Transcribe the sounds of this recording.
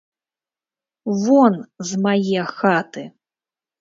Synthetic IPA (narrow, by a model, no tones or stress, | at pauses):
vɔnzmajɛxat̪ɨ